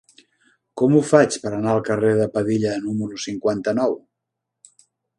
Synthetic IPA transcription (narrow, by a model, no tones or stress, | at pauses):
kɔmufat͡ʃpəɾənaəlˠkəreðəpəðiʎənuməɾusiŋkwant̪ənɔw